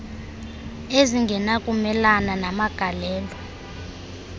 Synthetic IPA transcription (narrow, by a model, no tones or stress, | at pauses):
eziŋɡʱɛnakʼumɛlananamaɡ̥ʱalɛːlɔ